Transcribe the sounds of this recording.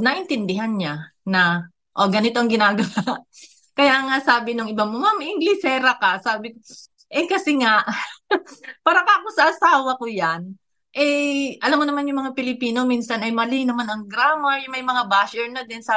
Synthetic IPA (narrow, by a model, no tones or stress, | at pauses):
nɐʔɪnt̪ɪnd̪ɪɦanɲanɐ | ʔoɡɐnɪt̪o̞ʔɐŋɡɪnaːɡɐwaʔ | kɐjaːŋasaːbɪnoŋʔɪbamomamʔɪŋɡlɪsɛːɾɐkasaːbɪko | ʔɛkɐsɛŋaʔ | paːɾɐkaʔɐkosɐʔɐsaːwɐkojan | ʔɛʔɐlamːonɐmanjʊŋmɐŋapɪlɪpiːno̞minsɐnɐjmɐlɪnɐmanɐŋɡɾaːmɐjʊŋmɐjmɐŋabaʃɛɹnod̪ɛnsa